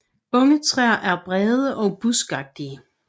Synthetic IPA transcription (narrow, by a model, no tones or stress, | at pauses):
ɔ̽ŋət͡sʰʁɛɐ̰ʔæɐb̥ʁɛːð̞ˠəʔɒ̽ʊb̥usɡ̥ɑ̈ɡ̥̚d̥iə